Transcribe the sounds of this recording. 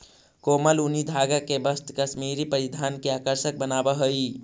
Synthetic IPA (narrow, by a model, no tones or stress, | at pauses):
koːməlunid̪ʱaːɡakebəst̪kəʃmiːɾipəɾɪd̪ʱaːnkeaːkəɾʃək̚bənaːbaɦoi